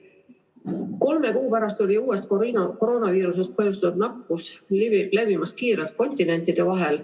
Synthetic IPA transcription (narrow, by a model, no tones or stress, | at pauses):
ko̞lme̞kuːpæɾɑst̪o̞lʲiuːe̞st̪̚koiko̞ɾo̞ːnɑviːɾus̬e̞st̪̚pɤjust̪ɑud̪nɑkːˑusle̞vimɑs̚kiːɾelt̪̚ko̞nʲt̪ine̞nʲt̪id̪̥e̞vɑɦel